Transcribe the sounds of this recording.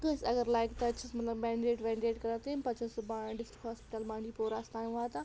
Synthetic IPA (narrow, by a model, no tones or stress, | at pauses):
t̪ʊ̃ɪ̃sɐɡəɾlaːɪkt̪ɐt͡ɕʰɪsmɐt̪ləbmɛ̃ːɳɖɾeːʈʋɛ̃ːɖɾeːʈkɐɾat̪ʰempɐt͡ʃʰəsbaːɖɪsʈɪkɦɔːspɪʈəlmãːɳd͡ʑipoːɾaːst̪aːjũaːt̪ã